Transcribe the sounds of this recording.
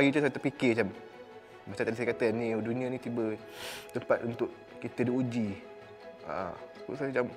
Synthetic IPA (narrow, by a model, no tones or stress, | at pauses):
aɡit͡ʃusat̪əpikɪt͡ʃam | mat͡ʃamt̪adis̬ajkat̪ənĩdunĩãnĩt̪ibə | t̪əpat̪unt̪ʊʔ | kit̪ədiud͡ʒi | a̰kṵsad͡ʒam